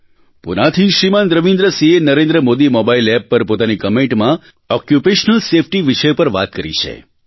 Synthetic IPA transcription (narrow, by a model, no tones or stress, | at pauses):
pṵnat̪ʰiʃɾimand̪ɾəʋĩnd̪ɾəsĩenəɾẽnd̪ɾəmod̪imɔbailɛpːəɾpot̪anikəmẽɳʈmã | ɔkjupeʃənəlsefʰʈiʋɪʃəjpəɾʋa̰t̪̚kəɾḭt͡ʃʰḛ